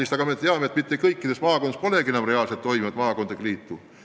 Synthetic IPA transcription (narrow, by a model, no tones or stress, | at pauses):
ist̪ɑɡɑme̞t̪eɑmeet̪mit̪ːekɤjkːid̪̥esmɑːko̞nɑspo̞le̞kienɑmre̞ɑːlset̪ːo̞jmivɑd̪mɑːko̞nd̪̥ekliːt̪ːu